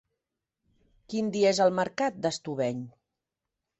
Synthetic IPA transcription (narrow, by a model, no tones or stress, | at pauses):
kind̪iezəlˠməɾkat̪̚d̪əst̪uβɛɲ